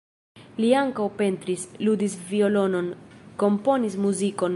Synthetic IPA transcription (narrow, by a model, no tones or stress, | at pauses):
liaŋkawpe̞nt̪ɾislud̪isvio̞lo̞no̞nko̞mpo̞nismuziko̞n